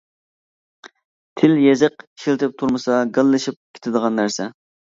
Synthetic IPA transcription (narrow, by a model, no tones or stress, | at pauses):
t̪ʰɪljezɨqʃilt̪ɪp̚t̪ʰuɾmɨsɑɡəlˠːɨʃip̚kʲʰe̥t̪ʰɪd̪əʁɑnːæɾsɛ